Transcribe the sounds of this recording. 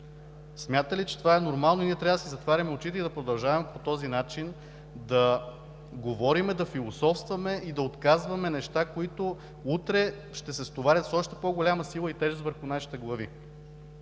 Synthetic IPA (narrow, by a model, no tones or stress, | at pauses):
smʲjat̪əlit͡ʃɛt̪ovaɛnoɾmalˠnoiniɛt̪ɾavəd̪ɐsizɐt̪vaɾʲɐmɛot͡ʃit̪ɛid̪ɐpɾod̪ɐlˠʒavɐmɛpot̪ɔzinat͡ʃin | d̪ɐ | ɡovɔɾimɛd̪ɐfilˠosɔfst̪vɐmɛid̪ɐot̪kazvɐmɛnɛʃt̪akoit̪o | ut̪ɾɛ | ʃt̪ɛsɛst̪ovaɾʲɐt̪sɔʃt̪ɛpoɡolʲamɐsilˠəit̪ɛʒɛst̪vəɾxunaʃi̥t̪ɛɡlˠɐvḭ